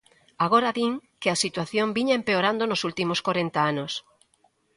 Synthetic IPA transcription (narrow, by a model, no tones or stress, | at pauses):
aɣ̞oɾɐðiŋkɪasit̪waθjombiɲaempeoɾand̪onosult̪imoskoɾent̪aanʊs